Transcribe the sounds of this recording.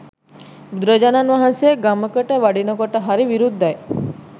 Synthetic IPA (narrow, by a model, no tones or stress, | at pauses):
ud̪ɾəd͡ʒananʋaɦanseɡaməkəʈəʋaɽinɔkɔʈəɦaɾiʋiɾud̪ʱːaje